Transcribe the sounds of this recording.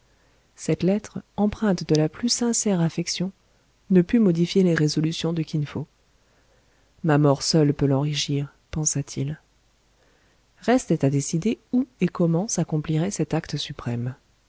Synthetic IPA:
sɛt̪lɛt̪χɑ̃pχɛ̃t̪d̪əlaplysɛ̃sɛʁafɛksjɔ̃ | nəpymɔd̪ifjeleʁezɔlysjɔ̃d̪əkʲinfo | mamɔʁsœlpølɑ̃ʁiʃiʁ | pɑ̃sat̪ʰil | ʁɛst̪ɛt̪ad̪esid̪euekɔmɑ̃sakɔ̃pliʁɛsɛt̪akt̪əsypχɛm

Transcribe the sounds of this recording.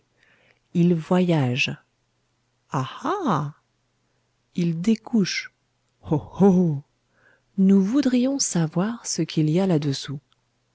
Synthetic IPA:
ilvwajaʒ | aha | ild̪ekʰuʃ | oho | nuvud̪ʁijɔ̃savwaʁsəkʰilialad̪əsu

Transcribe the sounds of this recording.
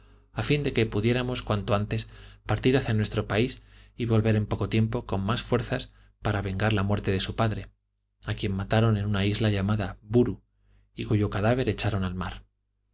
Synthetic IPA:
afind̪e̞ke̞puðje̞ɾamo̞skwant̪o̞ant̪e̞spaɾt̪iɾaθjanwe̞st̪ɾo̞paisiβo̞lβe̞ɾe̞mpo̞ko̞t̪je̞mpo̞ko̞mmasfwe̞ɾθas | paɾaβe̞ŋɡaɾlamwe̞ɾt̪e̞ðe̞supaðɾe̞ | akje̞mmat̪aɾo̞ne̞nũnaizlaʎamaðabuɾu | ikuʝo̞kaðaβ̞e̞ɾe̞t͡ʃaɾo̞nalmaɾ

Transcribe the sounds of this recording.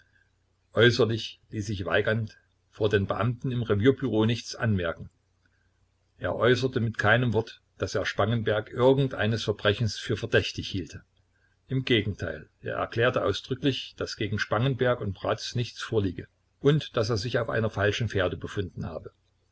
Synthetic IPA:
ʔɔʏsɐlɪçliːszɪçv̥a̰ɪɡɐnt | foːɐdeːnbəʔa̰mtn̩ɪmʁeviːɐbyʁoːnɪçt͡sʔa̰nmɛɐkŋ̩ | ʔeːɐʔɔʏsɐtəmɪtkʰaɪnəmvɔɐt | d̥aseːɐʃpaŋənbɛɐkʔɪɐɡŋ̩tʔa̰ɪnəsfɛɐbʁɛçn̩sfyːɐfɛɐdɛçtɪçhiːltʰə | ʔɪmɡeːɡŋ̩tʰa̰ɪlʔḛːɐʔɛ̰ɐkl̥ɛːɐtəʔaʊsd̥ʁʏklɪçd̥asɡ̥eːɡŋ̩ʃpaŋənbɛɐkʊntb̥ʁat͡snɪçt͡sfoːɐliːɡə | ʔʊntd̥aseːɐzɪçaʊfʔa̰ɪnɐfalʃn̩feːɐdəbəfʊndn̩ha̰ːbə

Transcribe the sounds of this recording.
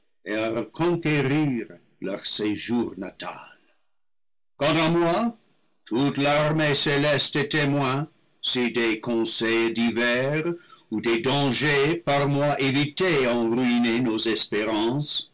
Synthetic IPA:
eaʁəkʰɔ̃keʁiʁ | lœʁseʒuːʁna̰ta̰l | kɑ̃tɑmwa | tʰutlaʁmeselɛstetemwɛ̃ | sidekɔ̃sɛjdivɛʁudedɑ̃ʒepaʁmwaʔeviteɑ̃ʁyinenozɛspeɾɑ̃s

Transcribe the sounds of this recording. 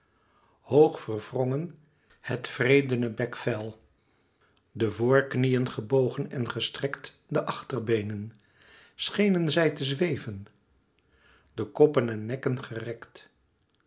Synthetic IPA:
howχfərv̥rɔŋən | hətfrejdənəbɛkfɛlˠ | dəvʊːɹknijənχəbowχənɛnχəstrɛkt | dəʔɑχtərbejnən | sχejnənzɛjtəzʋejvən | dəkɔpənɛnːɛkənχərɛkt

